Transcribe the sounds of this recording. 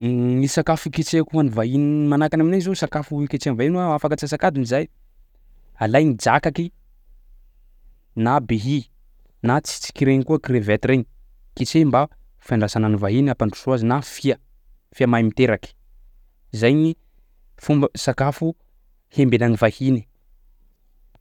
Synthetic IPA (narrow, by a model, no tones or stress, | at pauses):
ŋisakafuket͡sekuanivaɦinimanakanaminazosakafuket͡seanvaɦinwaafakat͡sas̬akad̪inizaj | alajnid͡ʒakaki | nabeɦi | nat͡si̥t͡si̥kiɾeɲikuəkrevɛt̪iɾeɲi̥ | kit͡semba | fajɳɖ͡ʐasananivaɦiniapaɳɖ͡ʐusuazinafia | fiamajmit̪eɾaki̥ | zajɲi | fumbəsakafu | hembenanivahini̥